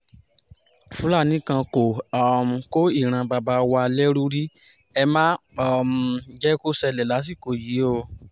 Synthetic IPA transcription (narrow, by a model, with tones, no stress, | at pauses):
fũ˦la˦˨nĩ˦kã˧ko˨ɔ˨m̩˨˧ko˦i˦˨ɾ̃ã˧ba˧ba˧wa˧lɛ˦ɾu˦ɾi˦ | ɛ˧mãː˦ | ɔ˨m̩˨d͡ʒɛ˦ko˦sɛ˧lɛ˨la˨˦s̬i˦˨ko˨ji˨˦o˦˧